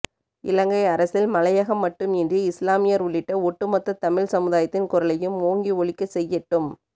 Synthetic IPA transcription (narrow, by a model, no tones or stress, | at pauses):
ʔɪlɐŋɡɐɪɐɾɐsɪlmɐlɐjɐɣɐmːɐʈːɯmɪndriɪslaːmɪjɐɾʊɭːɪʈːɐɔʈːɯmɐt̪ːɐt̪ːɐmɪɻsɐmɯðaːjɐt̪ːɪnkʊɾɐlɐjɯmoːŋɡiɔɭɪkːɐsɛjːɛʈːɯm